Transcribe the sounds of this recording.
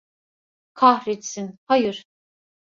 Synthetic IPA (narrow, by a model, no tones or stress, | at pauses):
kʰaɦɾet̪sinhajɯɾ̥